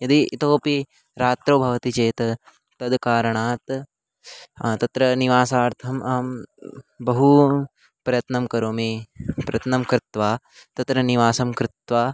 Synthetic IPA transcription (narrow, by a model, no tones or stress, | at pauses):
jɐd̪iːt̪oːpi | ɾaːt̪ɾoːbʱɐʋɐt̪it͡ʃeːt̪ɐ | t̪ɐd̪kaːɾɐɳaːt̪ | t̪ɐt̪ɾɐniʋaːsaːɾt̪ʰɐmaː | bɐɦu | pɾɐjɐt̪nɐmkɐɾoːmeːpɾɐjɐt̪nɐmkɾɪt̪ʋaː | t̪ɐt̪ɾɐniʋaːsɐmkɾɪt̪ʋaː